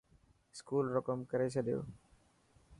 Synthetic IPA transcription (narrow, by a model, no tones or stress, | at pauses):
skuːlɾokəmkəɾeːsʰəɗjo̰ː